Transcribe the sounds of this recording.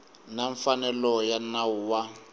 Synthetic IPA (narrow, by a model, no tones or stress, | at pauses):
naɱfanɛlɔjanawuwa